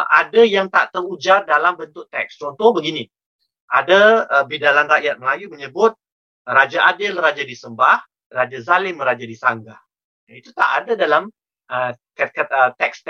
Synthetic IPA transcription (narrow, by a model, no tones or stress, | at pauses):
ʔadajaŋt̪aʔt̪ərud͡ʒardalambənt̪ʊʔt̪ɛ̰k̚st͡ʃot̪obəɡini | ʔa̰daəbidalanraʔjat̪̚məlajuməɲəbʊt̪̚ | rad͡ʒaʔadɪlrad͡ʒadisəmbah | rad͡ʒazalɪmrad͡ʒadisaŋɡah | ait̪ut̪a̰ʔa̰dadalam | əkakaət̪ɛk̚st̪